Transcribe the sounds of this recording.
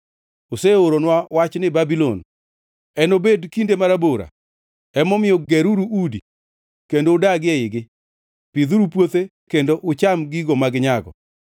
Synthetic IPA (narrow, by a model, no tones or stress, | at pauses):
oseoɾonwawat͡ʃnɪbabilɔn | ɛnobedkindemaɾaboɾa̰ | ɛmɔmɪjɔɡɛɾuɾuʔudi | kendoːdaɡɪɛɪɡɪ | pid̪uɾupwot̪e | kendoʔʊt͡ʃamɡiɡomaɡɲaɡɔ̰